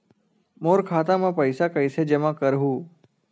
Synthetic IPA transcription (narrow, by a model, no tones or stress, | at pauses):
moːɾkʰaːt̪ãmãpəɪsakəɪsed͡ʒɐmãkəɾɦuː